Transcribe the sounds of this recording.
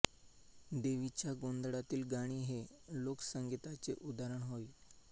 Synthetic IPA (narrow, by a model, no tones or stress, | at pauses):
d̪eʋit͡ɕjaɡond̪ɽat̪iːlɡaɽ̃iːɦelokə̥səŋɡit̪at͡seʔud̪aɾəɳɦoj